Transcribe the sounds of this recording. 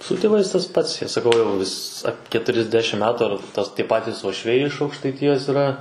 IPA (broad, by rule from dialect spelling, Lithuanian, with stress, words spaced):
sʊ tʲeːˈʋɐɪs tɐs ˈpɐts ˈjiɛ sɐˈkɐʊ jɛʊ ʋʲɪs ɐ kʲɛtʊrʲɛzʲˈdʲæːʃʲɪm ˈmʲæːtʊ ɐr tɐs tʲiɛ ˈpɑːtʲiːs uɔʃʲˈʋʲɛɪ ɪʃ ɐʊkʃtɐɪˈtʲɪjɛs iːrˈɐ